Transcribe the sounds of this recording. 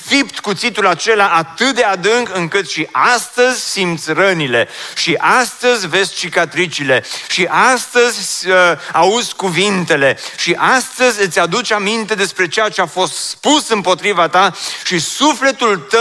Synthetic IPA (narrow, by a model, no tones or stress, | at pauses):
fipt̪kut̪sit̪ulat͡ʃe̞laʔat̪ɨt̪̚d̪ead̪ɨŋɡɨŋkɨt̪ʃiʔast̪əzʲsimt̪sʲrənile̞ʃiʔast̪əzʲve̞zʲt͡ʃikat̪ɾit͡ʃile̞ʃiʔast̪əzʲ | auzʲkuvint̪e̞le̞ʃiʔast̪əzʲɨt̪sʲad̪ut͡ʃamint̪e̞d̪e̞spɾe̞t͡ʃejat͡ʃeafo̞st̪spusɨmpo̞t̪ɾivat̪aʃisufle̞t̪ult̪ə